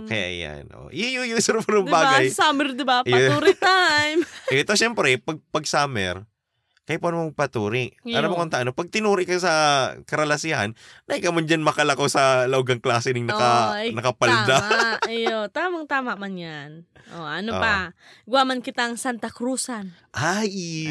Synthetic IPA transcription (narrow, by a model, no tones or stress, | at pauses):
kɐja̰ʔɐ̰ja̰nʔo̰ʔjjojosɐɾɐpʊɾʊmd̪baːɡajsaːmɛɾd̪ɪbapjɐuːɾɪt̪ajmt̪oʃɛmpɾɛpɐɡ̚pɐɡ̚saːmɛ̰ɾ | kɐjpanomɐɡ̚pɐt̪uːɾɪʔaɾɐmokont̪ɐʔanopɐɡ̚t̪ɪnuːɾɪʔkɐsɐkɐɾɐlɐsɪha̰nːɐhɪkɐmʊnd͡ʒɐnmɐkɐlɐkosɐlɐʔoɡɐŋklaːsɪnɪŋnɐkɐnɐkɐpɐld̪ajot̪aːmɐŋt̪aːmɐʔmanjan | ʔoʔɐno̰pa | ɡʊwaːmɐnkɪt̪aɐŋsant̪ɐkɾuːsan | ʔaj